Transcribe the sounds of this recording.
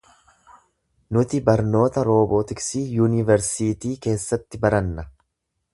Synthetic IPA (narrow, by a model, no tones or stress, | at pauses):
nʊt̪ɪbɐɾno̞ːt̪ɐɾo̞ːboːt̪ɪksiːjuːnɪvɛɾsiːt̪iːke̞ːsːɐt̪ːɪbɐɾɐnːɐ